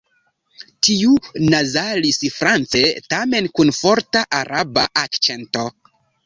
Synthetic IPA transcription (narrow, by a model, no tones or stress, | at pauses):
tiunazalisfɾant͡se̞tame̞nkunfo̞ɾtaʔaɾʔaba̰ʔakt͡ʃe̞nto̞